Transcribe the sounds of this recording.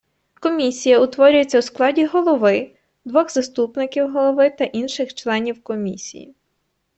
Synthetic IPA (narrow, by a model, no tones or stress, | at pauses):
kɔmʲisʲijɐʊt̪ʋɔɾʲʊjet͡sʲːɐwsklˠɑdʲiɦɔlˠɔʋɪ | d̪ʋɔxzɐst̪upnɪkʲiwɦɔlˠɔʋɪt̪ɐʔinʃɪxt͡ʃlˠɛnʲiwkɔmʲisʲḭjḭ